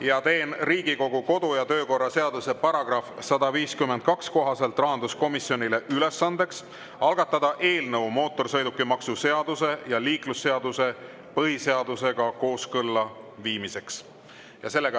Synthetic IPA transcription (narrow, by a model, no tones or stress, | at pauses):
jɑt̪e̞ːnriːɡiko̞ɡ̥uko̞d̪̥ujɑt̪ø̞ːko̞rːɑse̞ɑd̪̥use̞pɑɾɑɡ̥rɑfsɑd̪ɑviːskymːend̪̥̚kɑksko̞ɦɑse̞lt̪ˑrɑɦɑnd̪̥usko̞misjo̞nʲile̞ʔyle̞sːɑnd̪̥e̞ks | ɑlɡ̥ɑt̪ːˑɑd̪̥ɑʔe̞ːlnɤwmo̞ːt̪ːˑo̞rsɤjd̪ukːimɑksuse̞ɑd̪̥use̞jɑliːklusːe̞ɑd̪use̞ | pɤɦise̞ɑd̪̥use̞ɡ̥ɑko̞ːskɤlːɑviːmise̞ks | jɑse̞lːeɡ